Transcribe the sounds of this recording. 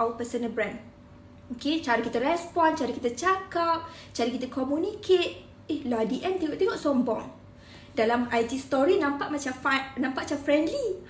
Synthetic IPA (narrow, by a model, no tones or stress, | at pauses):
apəsənəbɾɛn | oket͡ʃaɾikit̪aɾɛspɔnt͡ʃaɾikit̪at͡ʃakap̚ | t͡ʃaɾikit̪akomũnikʰet̪̚ | ehlɔdiʔɛnt̪iɡɔʔt̪iŋɔʔsɔmbɔ̰ŋ | dalamajtist̪ɔɾinãmpaʔmat͡ʃafanãmpaʔt͡ʃamfɾɛndli